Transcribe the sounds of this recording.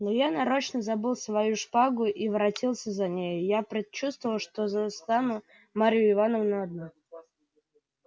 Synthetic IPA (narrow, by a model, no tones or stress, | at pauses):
nojanɐɾo̞t͡ɕnəzɐbɨlˠsvɐjuʂpaɡʊʔivɾɐtʲilˠsʲəzɐnʲejʊjapɾʲɪt͡ɕust̪vəvəlˠʂt̪ozɐst̪anʊ | maɾʲɪjʊɪvanəvʊnaɐd̪nu